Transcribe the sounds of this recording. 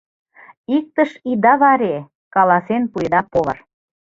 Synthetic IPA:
ik̚t̪əʃid̪ɑβɑɾe | kɑlɑsenpujd̪ɑpoβə̰̆r

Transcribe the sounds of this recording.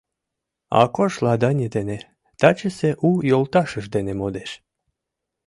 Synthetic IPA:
ɑ̰koʃlˠɑd̪ɑnʲəd̪ene | t̪at͡ɕəseʔujolt̪ɑʃəʃd̪enemod̪eʃ

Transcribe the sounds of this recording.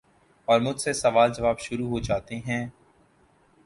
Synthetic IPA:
ɔːɾmʊd͡ʒʱsesɐʋaːld͡ʒɐʋaːbʃʊɾuɦod͡ʒaːt̪eɦɛ̃ː

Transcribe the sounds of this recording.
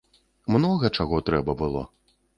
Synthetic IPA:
mnɔɣɐt͡ʂaɣɔt̪ɾɛbɐbɨlˠɔ̰

